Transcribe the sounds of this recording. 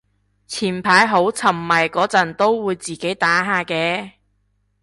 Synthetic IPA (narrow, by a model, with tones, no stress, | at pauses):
t͡sʰiː˨˩npʰaː˨˥jɦo˨˥wt͡sʰɐ˨˩mːɐ˨jkɔː˨˥t͡sɐ˨˩nt̪o˥wwuː˨˧jt͡siː˨ke˨˥jt̪aː˨˥ɦaː˨kɛː˧